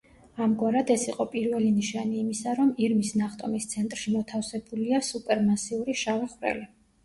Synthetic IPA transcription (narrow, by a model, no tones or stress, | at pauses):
amɡwaɾad̪ɛsiqʼɔpʼiɾvɛliniʃaniːmisaɾɔmiɾmisnaχt̪ʼɔmist̪sʰɛnt̪ʼɾʃimɔt̪ʰafsɛbuliasupʼɛɾmasiuɾiʃavɛχvɾɛ̰li